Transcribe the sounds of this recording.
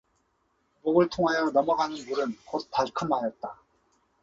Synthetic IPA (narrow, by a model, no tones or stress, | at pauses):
moɡɯɭtʰoŋɦajʌnʌmʌɡanɯnmuɾɯnkot̚p͈aɭkʰɯmɦajʌt̚t͈a